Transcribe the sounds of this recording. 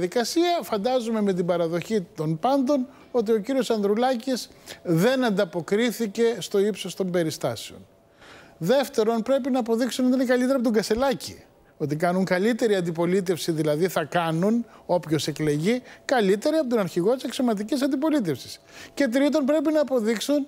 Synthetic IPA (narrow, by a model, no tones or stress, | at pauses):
ðikɐsiɐfɐnd̪ɐzume̞me̞t̪̬ibɐɾɐðo̞çit̪o̞npɐnd̪o̞n | o̞t̪̬io̞ciɾio̞sɐnd̪ɾulɐcis | ðe̞nɐnd̪ɐpo̞kɾiθice̞st̪o̞ipsost̪o̞mbe̞ɾist̪ɐseo̞̰n | ðe̞ft̪e̞ɾo̞npɾe̞p̬inɐːpo̞ðiksunot̪inekɐlit̪eɾɐp̬ot̪oŋɡɐse̞lɐci | o̞t̪ikɐnuŋkɐlit̪e̞ɾiɐnd̪ipo̞lit̪̬e̞fsiðilɐðiθɐkɐnuno̞pço̞se̞kle̞ʝikɐlit̪e̞ɾiɐpot̪onɐɾçiɣo̞t̪iseksomɐt̪̬icisɐnd̪ipo̞lit̪̬e̞fsi̥s | ce̞t̪̬ɾit̪o̞npɾe̞pinɐːpo̞ðiksun